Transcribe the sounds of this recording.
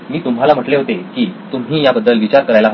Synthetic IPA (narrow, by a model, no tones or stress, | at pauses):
miːt̪um̤ɦalam̤əʈleɦot̪ekiːt̪um̤iːjabəd̪ːəlʋit͡ɕaɾkəɾajlaɦ